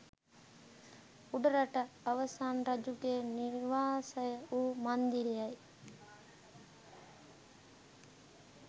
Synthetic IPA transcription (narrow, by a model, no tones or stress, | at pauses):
uɖɐɾɐʈəːʋəsaːnɾɐd͡ʒuɡeniɾʋaːsəjəuːmand̪iɾijɐj